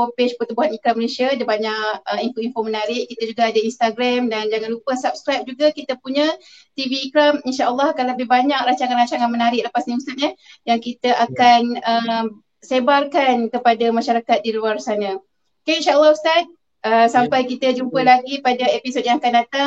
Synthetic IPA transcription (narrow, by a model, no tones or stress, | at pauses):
fopet͡ʃpərt̪ubuɦanikɾamːəlesiadəbaɲaʔəinfoinfomənaɾɪʔkit̪əd͡ʒuɡaadəinst̪aɡɾamdand͡ʒaŋanlupəsap̚skɾajp̚d͡ʒuɡakit̪əpuɲə̃ | t̪iviːkɾaminʃaʔəlˠːɔhakanləbɪhbaɲakɾaɲt͡ʃaŋãnɾaɲt͡ʃaŋanmənaɾɪʔləpasɲiust̪at̪̚jahjaŋkit̪əʔakanəm | sebarkankəpadamaʃaɾakat̪̚diluarsanə̃ | kainʃaəlˠːɔɦust̪at̪̚ | əsampajkit̪əd͡ʒumpəlaɡipadaepisot̪̚jãŋakandat̪a